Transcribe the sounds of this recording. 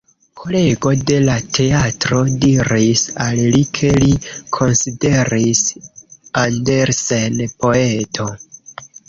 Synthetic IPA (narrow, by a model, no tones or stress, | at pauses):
kʰole̞ɡo̞de̞latʰe̞atɾo̞diɾisallikʰe̞likʰo̞nside̞ɾis | andeɾsenpo̞etʰo̞